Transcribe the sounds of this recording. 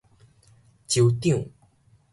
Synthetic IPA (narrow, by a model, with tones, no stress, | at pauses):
t͡ɕjo˧wt̪i˥˨ŋ